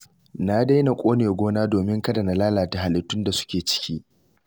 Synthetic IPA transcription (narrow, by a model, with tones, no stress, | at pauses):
na˦da˦jna˨kʷʼoː˦neː˨ɡʷoː˦naː˦doː˨mɪ˦ŋkɐ˦da˨na˨laː˦laː˨ta˨ha˨lɪ˨tːʊ˦nda˨sʊ̥˦kʲeː˨t͡ʃɪ̥˦kʲiː˦ʔ